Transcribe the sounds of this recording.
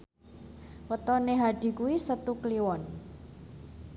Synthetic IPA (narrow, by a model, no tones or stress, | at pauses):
wət̪ɔneɦaɖ̪̥i̤kuwisət̪ukliwɔn